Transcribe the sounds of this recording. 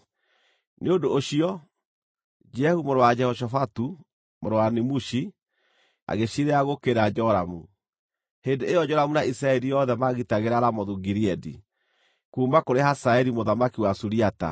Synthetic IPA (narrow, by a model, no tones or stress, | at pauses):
nʔeodoːɕiɔ | d͡ʒɛhumoɾowad͡ʒɛhɔʃ̬ɔfatu | moɾowanemuʃi | a̰ɣeɕiɾeaɣokeɾad͡ʒɔɾamu | hendeejɔd͡ʒɔɾamunaʔisɾaɛɾijɔðɛmaɣitaɣeɾaɾamɔðuɡiɾiɛdḭ | kuːmakoɾehasaɛɾimoðamakiwasuɾiata̰